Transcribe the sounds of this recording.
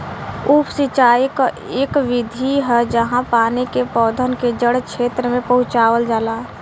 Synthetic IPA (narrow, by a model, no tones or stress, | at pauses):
uːpsɪt͡ʃaːika | eːkʋɪd̪ʱiɦɛd͡ʒəɦãpaːnikepɔːd̪ʱənked͡ʒəɽkʰeːt̪ɾəmẽpəɦʊ̃t͡ʃaːwəld͡ʒaːlaː